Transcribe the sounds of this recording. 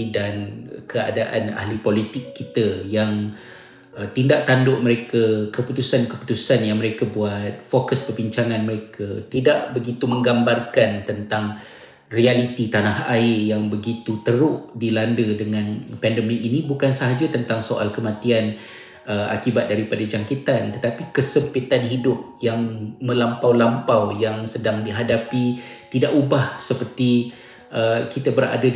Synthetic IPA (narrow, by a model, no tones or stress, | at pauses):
dankəa̰daʔa̰na̰hlipolit̪ɪkːit̪ajaŋ | t̪indaʔ̚t̪andoʔməɾekakəput̪usankəpu̥t̪usanjaŋməɾekabuat̪̚fokəspərbiɲt͡ʃaŋãnməɾekʰat̪idaʔbəɡit̪umə̃ŋɡambarkant̪ənt̪aŋ | rialit̪it̪anahaɪjaŋbəɡit̪ut̪əɾʊʔdilandədəŋãnpɛndəmɪkinĩbukansəɦad͡ʒat̪ənt̪aŋsoʔa̰lkəmãt̪ian | əa̰kibat̪̚daɾipadad͡ʒaŋkit̪ant̪ət̪apikəsəmpit̪anɦidʊp̚jaŋmə̃lampawlampawjaŋsədaŋdiɦadapit̪idaʔubahsəpərt̪i | ʔəkit̪abəɾa̰da